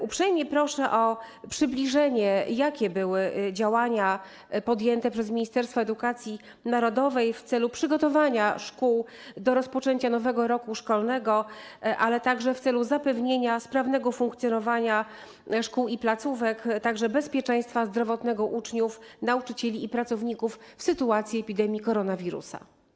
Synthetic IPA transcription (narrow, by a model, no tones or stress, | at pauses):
upʂɛjmʲɲɛpɾɔʂɛʔɔ | pʂɘblʲiʐɛɲɛjakʲɛbɘwɘd͡ʑawaɲa | pɔd̪jɛnt̪ɛpʂɛzmʲiɲist̪ɛɾst̪fɔɛd̪ukat̪sʲji | naɾɔd̪ɔvɛjft̪sɛlupʂɘɡɔt̪ɔvaɲaʂkuw | d̪ɔɾɔspɔt͡ʂɛɲt͡ɕan̪ɔvɛɡɔɾɔkuʂkɔlnɛɡɔʔalɛt̪aɡʐɛft̪sɛluzapɛvɲeɲaspɾavn̪ɛɡɔfuŋkt̪sʲjɔnɔvaɲa | ʂkuwiplat̪suvɛkt̪aɡʐɛbɛspʲjɛt͡ʂɛ̃j̃st̪fazd̪ɾɔvɔt̪nɛɡɔʔut͡ʂɲufnaut͡ʂɘt͡ɕelʲiːpɾat̪sɔvɲikufːsɘt̪uat̪sʲjiɛpʲid̪ɛmʲjikɔɾɔnavʲiɾṵsa̰